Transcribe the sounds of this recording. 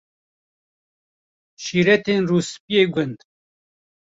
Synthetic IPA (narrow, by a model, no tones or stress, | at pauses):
ʃiːɾɛt̪eːnruːspijeːɡʊnd̪